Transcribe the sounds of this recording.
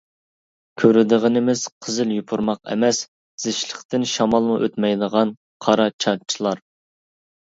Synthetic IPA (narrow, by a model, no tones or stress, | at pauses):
kʲʰøɾɪd̪ɨʁənɪmɪz̥qʰəzɪljupʰuɾmɑqɛ̰mɛs | z̥ɪʃlˠəqt̪ɪnʃɑmɑlˠmuʔøt̪mɛjd̪əʁɑn | qʰɑɾɑt͡ʃʰɑt͡ʃʰilˠɑɾ